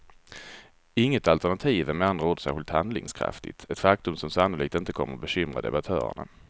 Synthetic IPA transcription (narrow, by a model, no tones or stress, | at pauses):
ɪŋːət̪alt̪æɳat̪ʰiːvəmɛanɾoːd̪əsæːɧɪlt̪hand̪lɪ̰ŋskʰɾa̰ft̪ɪ̰t̪ʰɛt̪fak̚t̪ɵmsɔmsanːʊliːk̚t̪ɪnt̪əkʰɔmːəɾɔbɛɕʏmɾa̰d̪ɛ̰bat̪ʰœ̰ːɾə̰ɳa̰